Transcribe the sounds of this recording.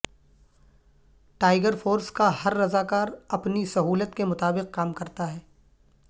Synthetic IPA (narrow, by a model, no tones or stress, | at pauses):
ʈaːɪɡəɾfoːɾskahɐɾːɐzaːkaːɾɐpnisɐɦuːlət̪kemʊt̪aːbɪq̚kaːmkɐɾt̪aɦɛː